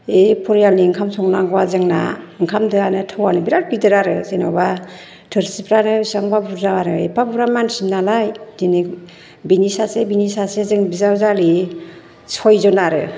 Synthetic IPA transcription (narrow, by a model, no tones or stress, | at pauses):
epʰɔɾjaniŋkʰamsɔŋnaŋɡɔwazɯŋna̰ɯŋkʰamdɯanɯtʰawanɯbiɾat̚bidɯɾaɾɯsenɔba | tʰɯɾsipɾanɯsaŋbabuɾzaaɾɯepabuɾamansinːalajdini | binisasebinisasezɯŋbizawzali | sʰɔjzɔnaɾɯ̰